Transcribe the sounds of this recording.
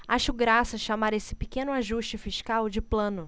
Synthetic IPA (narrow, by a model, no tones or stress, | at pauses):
aʃʊɡɾasɐʃamaɾesɪ̥pikẽnʊaʒuʃt͡ʃɪfiʃkawd͡ʒɪplɐ̃nʊ